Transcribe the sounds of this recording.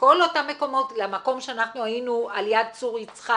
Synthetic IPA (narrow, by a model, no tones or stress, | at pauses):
ko̞lotamːe̞ko̞mo̞tlemako̞mʃeanaχnuainualjad̪̚t͡suʁit͡sχa